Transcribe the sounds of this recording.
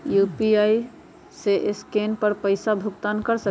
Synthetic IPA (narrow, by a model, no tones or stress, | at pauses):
juːpiai | seʔɪskenpəɾpəɪsabʱʊkt̪ankəɾsə